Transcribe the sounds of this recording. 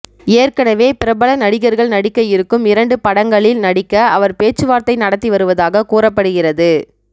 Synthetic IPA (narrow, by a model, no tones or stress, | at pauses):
eːrkɐnɐʋeːpɪɾɐbɐɭɐnɐɽɪɣɐɾɣɐɭnɐɽɪkːɐjɪɾɯkːɯmɪɾɐɳɖɯpɐɽɐŋɡɐɭɪlnɐɽɪkːɐɐʋɐɾpeːt͡ʃːɯʋaːɾt̪ɐɪnɐɽɐt̪ːiʋɐɾɯʋɐðaːɣɐkuːrɐpːɐɽɯɣɪrɐðɯ